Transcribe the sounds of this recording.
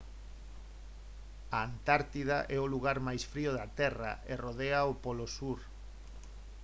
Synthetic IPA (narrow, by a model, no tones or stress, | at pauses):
ɐːnt̪aɾt̪iðaʔɛʊluɣaɾmajsfɾiʊðɐt̪ɛra̰eroðeaopɔlosuɾ